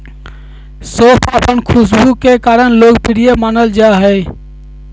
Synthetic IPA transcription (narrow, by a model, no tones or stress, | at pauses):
soːpʰəpənkʰʊsbukekaːɾəɳloːɡpɪɾijemaːnəld͡ʒaɦɛː